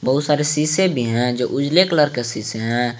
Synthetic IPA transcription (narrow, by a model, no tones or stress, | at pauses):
bəɦʊt̪saːɾesiːsebʱiɦɛ̃d͡ʒoːʔʊd͡ʒlekləɾkesiːseɦɛ̃